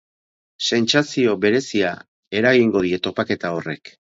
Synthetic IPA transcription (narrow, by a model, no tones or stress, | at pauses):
se̞nt͡sasio̞βe̞ɾe̞sia | e̞ɾaɣiŋɡo̞ð̞ie̞t̪o̞pake̞t̪ao̞re̞k